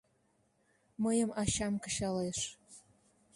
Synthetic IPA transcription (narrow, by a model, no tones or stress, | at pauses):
məjəmɑɕɑmkə̥̆ɕɑleʃ